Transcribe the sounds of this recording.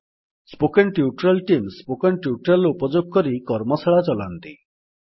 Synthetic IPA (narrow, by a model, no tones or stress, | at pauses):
spokeɳʈjuʈɾalʈimspokeɳʈjuʈɾalupɔd͡ʒoɡ̚kɔɾikɔɾmɔsaɭat͡ʃɔlant̪i